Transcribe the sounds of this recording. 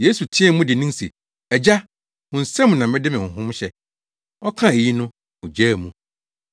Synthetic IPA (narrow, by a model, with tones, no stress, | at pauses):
je˦su˨tʰĩ˦ɛ˦˨mũ˦dɪ˨nĩ˦sḛ˨ | ɛ˨d͡ʑa˦ | hʊ̃˨n̩˨sɛ̃˦m˨nã˨mɪ̃˦dɪ˦mɪ̃˨hʊ̃˨ɦʊ̃˦mɕɛ˦ | ɔ˦kʰã˦e˨ji˦nʊ̃˦ | ʊ̃˨d͡ʑæː˦˨mũ˨